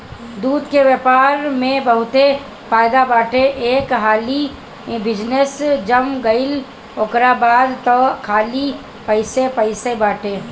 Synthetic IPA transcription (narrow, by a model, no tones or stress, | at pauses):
d̪uːd̪keʋjəpaːɾmẽbəɦʊt̪e | pʰaːɪd̪abaːʈeʔeːkɦaːli | bɪd͡ʒnesd͡ʒəmɡəɪl | oːkɾabaːd̪t̪ɔkʰaːli | pəɪsepəɪsebaːʈʰe